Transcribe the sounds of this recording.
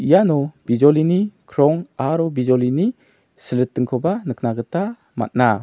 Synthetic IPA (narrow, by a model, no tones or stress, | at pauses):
ijanɔbid͡ʒɔlinikʰɾɔŋaɾɔbizɔlini | səlɯtːɯŋkʰɔbanɯk̚ʰnaɡəta | ma̰t̪̚na